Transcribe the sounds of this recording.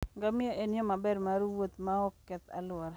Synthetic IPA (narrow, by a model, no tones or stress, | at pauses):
ŋɡamɪaʔenjɔmabɛɾmaɾwot̪maɔkːɛt̪a̰lʊɔɾ